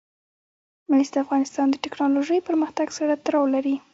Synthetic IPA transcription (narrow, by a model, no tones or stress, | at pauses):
masd̪əafɣɑnɪst̪ɑnd̪əʈɪknɑloʒəjpəɾməxt̪aɡsaɽat̪ɾɑwlaɾi